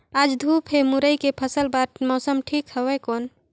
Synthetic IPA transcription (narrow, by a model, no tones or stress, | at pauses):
ad͡ʒd̪ʱupʰɦemuɾəjkepʰəsəlbat̪mɔːsəmʈʰikhəwɛkoːn